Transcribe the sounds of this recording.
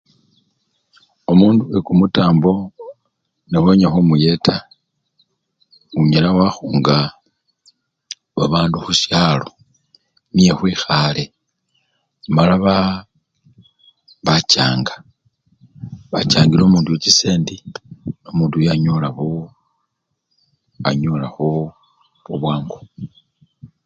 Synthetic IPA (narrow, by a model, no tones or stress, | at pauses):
omuːnduekumutaːmbo̞ | neβoɲaxumuje̞tʰa | uɲelawaxuːŋɡa | βaβaːnduxuʃalo̞ | nije̞xwiːxale̞ | malaβa | βaca̰ːŋɡḁ | βat͡ʃaːŋɡilo̞muːndujocise̞ːndino̞muːndujaɲolaβo | a̰ɲolaxu | βuβwaːŋɡo